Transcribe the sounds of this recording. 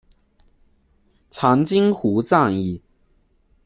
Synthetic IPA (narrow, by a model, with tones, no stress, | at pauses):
t͡sʰɑ˧˥ŋt͡ɕi˥ŋxu˧˥t͡sɑ˥˧ŋi˥˩